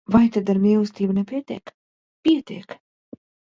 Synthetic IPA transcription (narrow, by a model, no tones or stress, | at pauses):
vajt̪ad̪aɾmilˠst̪ʲiːbɨnɛpʲiɛt̪ʲḭːk | piɛt̪ʲḭɛk